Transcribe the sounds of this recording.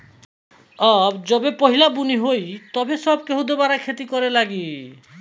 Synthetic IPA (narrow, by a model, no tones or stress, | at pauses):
ɔbd͡ʒɔbepɔɦilabuniɦojt̪ɔbesɔbkeɦud̪ɔbaɾakʰet̪ikɔɾelaɡi